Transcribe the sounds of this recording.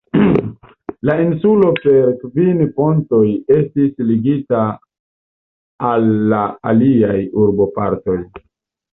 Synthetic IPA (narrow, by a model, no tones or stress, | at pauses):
lainsulo̞pe̞ɾkvinpo̞nto̞je̞stisliɡita | lːaa̰liajuɾbo̞pa̰ɾto̞j